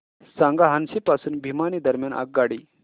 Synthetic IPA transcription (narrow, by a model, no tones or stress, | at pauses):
sãŋɡaɦansipasuːnbʱimanid̪əɾmjana̰k̚ɡaɽi